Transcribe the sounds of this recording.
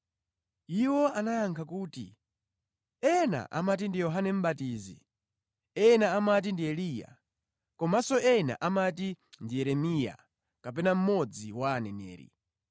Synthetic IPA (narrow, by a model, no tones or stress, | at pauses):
iwɔanajaŋkʰakuːtḭ | ɛna̰ʔa̰mat̬indijɔɦanɛm̩ɓatiːzḭ | ɛnaːmat̬indiɛliːja̰ | kɔmasɔɛna̰ʔamatindijɛɾɛmija̰ | kapɛnam̩mɔd͡ziwaːnɛnɛ̰ːɾḭ